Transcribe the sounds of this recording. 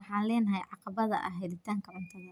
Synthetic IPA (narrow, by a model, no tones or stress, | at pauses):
ħɑːnlɛːnɐɦɛjʕɑqɑβɐðɐʔɐ̰ɦɛd̪ɪt̪ʰaːŋkʰɐʕɐnt̪ʰɐɣɐ